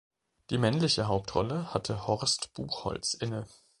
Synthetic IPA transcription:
d̥iːmɛnlɪçəɦaʊp̚tʁɔ̰ləhatʰəhɔʁstb̥uːχhɔ̰lt͡sʔɪnə

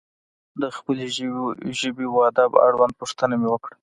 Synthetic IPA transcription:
d̪əxpəleʒəbewɑd̪aba̰ɽwand̪̚puʂt̪ənamewəkɽa

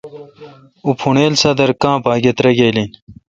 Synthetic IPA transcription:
upʰuɳeːlsɐd̪ɐɾkãːbaːɡet̪ɾɐɡejlin

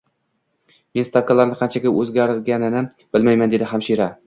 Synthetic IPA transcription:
menst̪akʰːalˠaɾnɪqʰɑnt͡ʃʰaɡʲaʔɵzɡʲaɾɪlɡʲanɪnɪ | b̥ɪlmajmand̪e̞d̪ɪhamʃiɾa

